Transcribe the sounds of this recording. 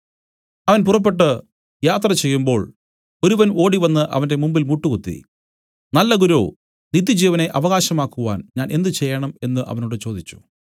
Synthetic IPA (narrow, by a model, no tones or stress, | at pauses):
ɐʋɐnpurɐp̬ːe̞ʈːɨ | jaːt̪rɐt͡ɕe̞jːumbo̞ːɭ | o̞ɾuʋɐno̞ːɽiʋɐnːɨʔɐ̰ʋɐnde̞mumbilmuʈːukut̪ːḭ | nɐlːɐɡuɾo̰ː | nid̪ɐd͡ʑiːʋɐne̞ʔɐʋɐɣaːɕɐmaːkːuʋa̰ːnɲaːne̞nd̪ɨt͡ɕe̞jːɐɳɐme̞nːɨʔɐ̰ʋɐnoːɽɨt͡ɕo̞ːd̪it͡ɕːu̥